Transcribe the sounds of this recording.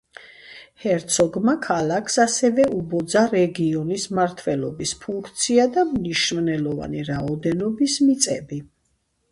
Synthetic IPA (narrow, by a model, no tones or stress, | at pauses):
hɛɾt̪sʰɔɡmakʰalakʰsasɛvɛubɔd̪zaɾɛɡiɔnismaɾt̪ʰvɛlɔbispʰuŋkʰt̪sʰiad̪amniʃvnɛlɔva̰niɾaɔd̪ɛnɔbismit̪sʼɛbi